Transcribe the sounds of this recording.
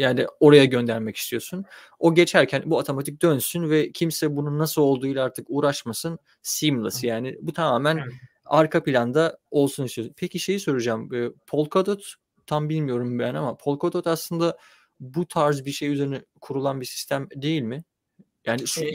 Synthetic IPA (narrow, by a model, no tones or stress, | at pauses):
jaːnio̞ɾajaɟø̞nd̪æɾmɛci̥st̪ʰijo̞sun | o̞ɟe̞t͡ʃʰæɾcʰænbuat̪ʰo̞mat̪ʰik̚d̪ønsynvɛcʰimsɛbununːasɯlˠo̞lˠd̪uːjlˠaaɾt̪ʰɯkuːɾaʃmasɯn | simlˠa̰sɯjaːnɪbut̪ʰamaːmæn | aɾkʰapilʲand̪ao̞lˠsunist̪ʰiosunpʰeciʃe̞jisøɾyd͡ʒaːmɯpʰo̞lˠkʰod̪ot̪ʰː | ambilʲmijo̞ɾumbænamapʰo̞lˠkʰod̪ot̪aslˠɯnd̪a | but̪ʰaɾzbiɾʃe̞jyze̞ɾinɛkʰuɾulˠanbisi̥st̪ʰæmd̪e̞jilʲmɪ | jaːni